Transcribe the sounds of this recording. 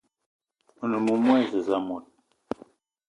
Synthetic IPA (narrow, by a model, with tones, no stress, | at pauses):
ə˨nə˨mu˦mwɛ˦˨zə˨za˦mɔ˨t̚